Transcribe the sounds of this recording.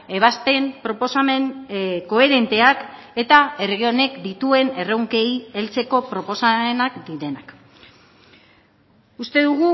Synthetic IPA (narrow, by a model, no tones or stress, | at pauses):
e̞β̞ast̪e̞mpɾo̞posamenko̞e̞ɾe̞nt̪e̞ake̞t̪ae̞ɾɣio̞ne̞kd̪it̪ue̞ne̞rewŋke̞je̞lt͡se̞ko̞pɾo̞po̞same̞nakd̪iɾe̞nak | ust̪e̞ðuɣ̞u